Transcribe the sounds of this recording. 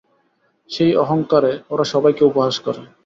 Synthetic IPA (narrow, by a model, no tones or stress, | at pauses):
ʃejɔɦoŋkaɾeoɾaʃɔbajkeupoɦaʃkɔɾe